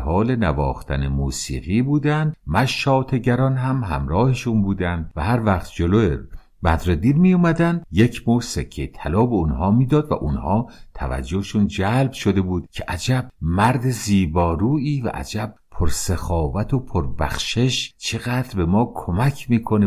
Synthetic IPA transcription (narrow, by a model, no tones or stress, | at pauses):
hɒːle̞nævɒ̰ːxt̪ʰænemuːsḭːɣiːbuːd̪ænd̪mæʃːɒːt̪ʰe̞ɟæɾɒnɦæmɦæ̰mɾɒːheʃunbuːd̪ænd̪̚væhæɾvæχt̪d͡ʒoloḛ | bæd̪ɾed̪iːɾmiːjumæd̪ænd̪̥je̞cʰmosekʰːejt̪ʰælɒːbeunhɒːmiːd̪ɒːd̪væ̰ʔunhɒːt̪ʰæ̰væ̰d͡ʒːoheʃund͡ʒæːlbʃod̪e̞buːd̪̥cʰeʔæd͡ʒæb̚mæɾd̪e̞ziːbɒːɾuːiːvæ̰ʔæ̰d͡ʒæb̚pʰoɾsexɒːvæt̪ʰopʰoɾbæ̰xʃe̞ʃt͡ʃʰe̞ɣæːd̪ɾbe̞mɒːkʰomæcʰmiːkʰo̞ne